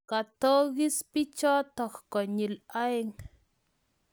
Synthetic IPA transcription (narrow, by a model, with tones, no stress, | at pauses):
ka˨t̪o˦ɡi˦spi˦t͡ʃɔ˦t̪ɔ˨kko˨ɲi˨la˦jŋ